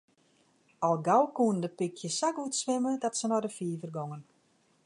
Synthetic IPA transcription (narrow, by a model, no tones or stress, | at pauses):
ɔlˠɡawkuəndəpikʰjəsakutsʋɪmədɔtsənɔdəfiːvərɡoŋən